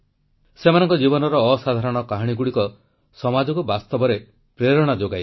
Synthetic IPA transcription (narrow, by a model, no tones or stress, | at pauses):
semanɔŋkɔd͡ʒibɔnɔɾɔːsad̪ʱaɾɔɽ̃ɔkaɦɽ̃iɡuɽikɔ | sɔmad͡ʒɔkubast̪ɔbɔɾe | pɾeɾɔɽ̃ad͡ʒoɡaj